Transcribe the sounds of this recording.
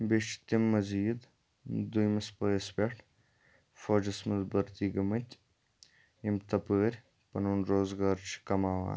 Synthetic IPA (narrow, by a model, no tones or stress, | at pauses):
beʃt͡ʃt̪imːɐziːd̪ | d̪ujmɐspəːsbʲeʈʰ | foːd͡ʒɐsmɐzbɐɾt̪iːɡɐmɐt̪ʲ | imt̪ɐpəːɾʲ | pɐnuːnɾoːzɡaːɾt͡ʃʰi̥kɐmaːʋa̰ːn